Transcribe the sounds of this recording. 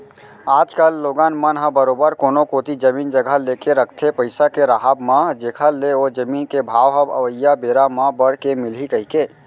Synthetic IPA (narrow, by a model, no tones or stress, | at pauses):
aːd͡ʒkəlːoɡanmənɦə̃bəɾobəɾkonokot̪id͡ʒəmind͡ʒəɡʱəlekeɾəkʰt̪ʰepəɪsakeɾaɦabmãd͡ʒekʰəleod͡ʒəminkebʱawɦəbə̰ʋəjːabeɾamãbəɽkemilɦikəɦike